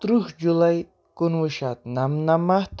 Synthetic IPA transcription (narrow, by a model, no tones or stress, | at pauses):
t̪ɾuhd͡ʒulaj | kunwɨʃat̪̚namnamaht̪